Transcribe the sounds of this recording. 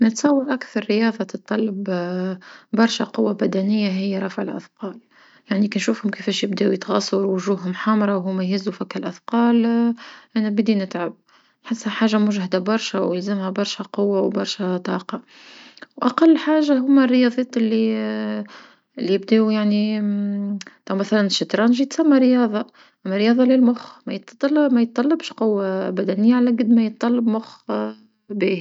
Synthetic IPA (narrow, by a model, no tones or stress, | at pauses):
nət̪sˤɑwːɑɾˤʔakθɑɾˤːɪjɑːðˤɑt̪ɨt̪ˤːɑlːɑb | bɑɾˤʃæqʊwːabæd̪ænɪjːaɦɪjːaɾˤɑfʕəlʔɑ̰θqɑːl | jaʕnikinʃuːfhʊmkɪfɛːʃjɪbd̪æːʔujɪt̪ɣɑsˤɑɾˤwʊʒuːhɦʊmħaːmɑɾˤɑwɦʊmːæjhɪzːufækːalʔɑθqɑːlʔænæbɪd̪inɪt̪ʕab̚ | nħɪsːhæħaːʒːamʊʒhɪd̪abɑɾˤʃæwjəlzɪmhæbɑɾˤʃæqʊwːawbɑɾˤʃæt̪ˤɑːqɑ | wʔaqɑlːħaːʒːaɦʊmːærːɪjɑːðˤeːt̪ˤɪlːi | ʔɪlːibd̪eːujaʕni | t̪ˤɑwmæθælænʃːɪt̪ɾˤɑːnʒit̪sæmːæɾɪjɑːðˤɑ | ʔæmːæɾˤɪjɑːðˤɑlɪlmʊxmæjət̪t̪ˤlmæjət̪ːˤɑlːɑbʃqʊwːabæd̪ænɪjːaʕalæɡɪd̪mæjət̪̚ˤːɑlːɑbmʊx | biːhi